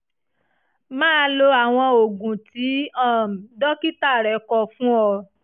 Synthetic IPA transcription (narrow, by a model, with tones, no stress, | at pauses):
mãː˦lo˧a˨w̃ɔ̃˧o˨ɡũ˨ti˨˦ã˦˨m̩˨dɔ˦ki˦ta˦˨ɾɛ˨˦kɔ˧fũ˦ɔ˧